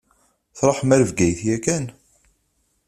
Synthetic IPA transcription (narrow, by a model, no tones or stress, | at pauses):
θɾˤoħmæɾəvɡæjθjækæn